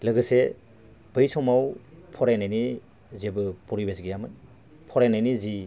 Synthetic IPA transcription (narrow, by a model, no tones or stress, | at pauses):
lɯɡɯse | b̥ɯjsɔmawpʰɔɾenajni | zebɯpuɾibezɡijamɯn | pʰɔɾenajnizi